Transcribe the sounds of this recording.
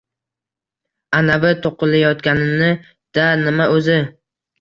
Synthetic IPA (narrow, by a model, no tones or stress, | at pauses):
anavɪt̪ʰoqɨlajɒt̪kʲanɪnɪ | d̪̥anɪmaʔɵzɪ